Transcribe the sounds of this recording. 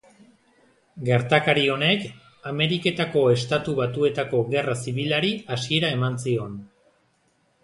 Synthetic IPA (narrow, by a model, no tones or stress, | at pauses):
ɡe̞ɾt̪akaɾio̞ne̞k | ame̞ɾike̞t̪ako̞e̞st̪at̪uβat̪ue̞t̪ako̞ɣe̞rasiβ̞ilaɾiasie̞ɾae̞mansio̞n